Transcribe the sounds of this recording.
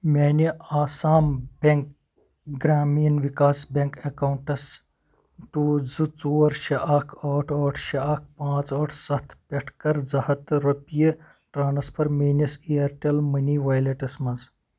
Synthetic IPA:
mʲeːnʲiaːsaːmbʲeŋk | ɡɾaːmijɐnʋikaːsbʲeŋkɐkɐwɳʈɐs | ʈuːd͡zɨt͡suːɐɾʃɐʔɐkʰoːʈʰoːʈʰʃɐɐk̚ʰpãːt͡sɐːʈʰsɐt̪ʰpʲeʈʰkɐɾd͡zɐhɐt̪ɾɐpijɐ | ʈɾaːnɐspʰɐɾmeːnɐsiɐɾʈelmɐniʋajleʈɐsmɐnz

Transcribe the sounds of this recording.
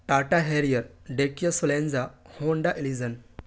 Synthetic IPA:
ʈaʈaɦeɾijəɾɖekijəsolẽnd͡zahoɳɖaʔilid͡zən

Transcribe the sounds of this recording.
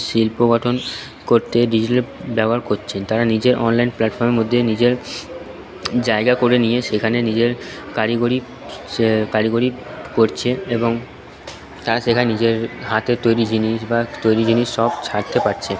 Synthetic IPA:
ʃilpoɡɔʈʰon | koɾt̪eɖid͡ʑiʈalbɛboɦaɾkotːt͡ɕʰent̪aɾanid͡ʑeɾʔɔnlajnplaʈfɔɾmeɾmod̪ʱːenid͡ʑeɾ | d͡ʑaeɡakoɾenijeʃekʰanenid͡ʑeɾ | kaʈiɡoɾi | kaʈeɡoɾikoɾt͡ɕʰeeboŋ | t̪aɾaʃekʰanenid͡ʑeɾɦat̪et̪ojɾid͡ʑiniʃbat̪ojɾid͡ʑiniʃːɔb̚t͡ɕʰaɾt̪epaɾt͡ɕʰe

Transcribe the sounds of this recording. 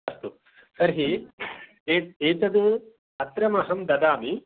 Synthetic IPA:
ɐst̪u | sɐɾɦi | eːeːt̪ɐd̪u | ɐt̪ɾɐmɐɦɐmd̪ɐd̪aːmi

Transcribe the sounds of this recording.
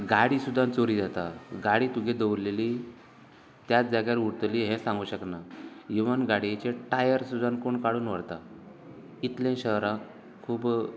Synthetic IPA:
ɡaɽiːsud̪ʱːãnt͡soɾid͡zat̪aɡaɽiːt̪uɡʱẽd̪əwɾleli | t̪jat͡sd͡zaɡjaɾuɽt̪liɦɛ̃sãŋɡuːɕəknaiʋənɡaɽiet͡ɕeʈajəɾsud̪ʱːãnkoɳkaɽuːnʋəɽt̪a | it̪lẽɕəɦɾã | kʰuːb

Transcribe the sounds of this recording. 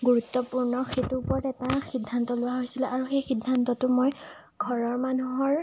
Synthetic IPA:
ɡuɹutːɔpuɹnɔxetupɔɹɔtɛtaxidʱːantɔlʊwaɦojsilɛʔaɹuxejxidʱːantɔtʊmoj | ɡʱɔɹɔɹmanuɦɔɹ

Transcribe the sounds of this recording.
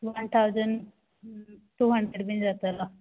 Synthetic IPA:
ʋənt̪ʰawd͡zən | ʈuɦəɳɖeɽbind͡zat̪ala

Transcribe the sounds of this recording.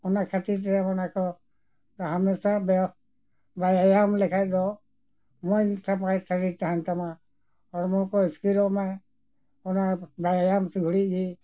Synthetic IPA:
ɔnakʰat̪iɾt̪ɛamɔnakɔ | d̪aɦamɛsabɛ | bajajamlɛkʰaj̚d̪ɔ | mɔɲsapajɾsaɾiɾt̪aɦant̪ama | ɔɾmɔkɔiskiɾɔʔmaj | ɔnabajajamsiɡʱuɽiɡi

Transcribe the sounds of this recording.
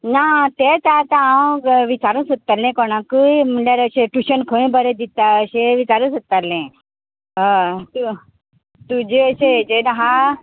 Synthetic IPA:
nat̪et̪ːt̪ããwʋit͡ɕaɾũsət̪ːalẽkɔnãkujm̤uɳɖjaɾəɕeʈuɕənkʰə̃bəɾed̪it̪aəɕeʋit͡ɕaɾũsət̪ːalẽ | ɦət̪u | t̪ud͡ʑeəɕed͡ʑenaɦa

